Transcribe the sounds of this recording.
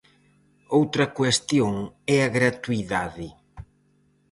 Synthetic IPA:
owt̪ɾɐkwest̪joŋɛɐɣɾat̪uiðaðɪ

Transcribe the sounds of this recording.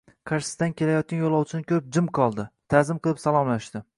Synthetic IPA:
kʰaɾʃɪ̥st̪ankʲʰe̞lajɒt̪̚kʲanjolˠɒwt͡ʃʰɪnɪkʲʰɵɾɪp̚d͡ʒɪmqʰɒlˠd̪ɪt̪ʰazɪmqɨlˠɪpsalˠɒmlaʃdt̪ɪ

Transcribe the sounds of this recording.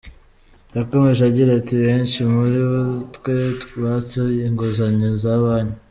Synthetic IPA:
jakomeʒaɟiɾatiβeːnʃimuɾiβutkwetβat͡seiŋɡozaɲizaβaːɲe

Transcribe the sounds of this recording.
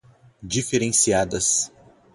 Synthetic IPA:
d͡ʒifeɾẽsiad̪ɐs

